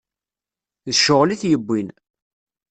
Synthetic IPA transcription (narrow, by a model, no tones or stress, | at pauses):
ðəʃʊʁliθjəbʷːin